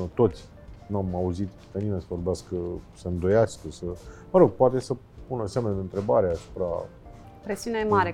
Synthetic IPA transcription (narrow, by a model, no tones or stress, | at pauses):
t̪o̞t̪sʲ | nuamauzit̪k̪ənime̞nsəvo̞rbeaskəsəɨnd̪o̞jast̪əsəməɾo̞ɡ̚poat̪e̞sə | punəseamneɨnt̪ɾe̞ba̰ɾeasu̥pɾa̰ | pɾesiunemaɾe